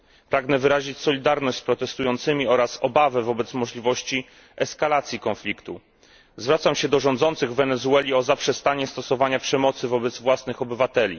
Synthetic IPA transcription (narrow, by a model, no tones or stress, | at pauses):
pɾaɡnɛvɘɾaʑit͡ɕsɔlʲid̪aɾnɔɕt͡ɕspɾɔt̪ɛst̪ujɔnt̪sɘmʲiɔɾasɔbavɛvɔbɛt̪smɔʐlʲivɔɕt͡ɕi | ɛskalat̪sʲjikɔ̃nflʲikt̪u | zvɾat̪samɕɛd̪ɔʐɔ̃nd̪zɔnt̪sɘɣvɛnɛzuɛlʲiɔzapʂɛst̪aɲɛst̪ɔsɔvaɲapʂɛmɔt̪sɘvɔbɛd̪zvwasnɘxɔbɘvat̪ɛlʲḭ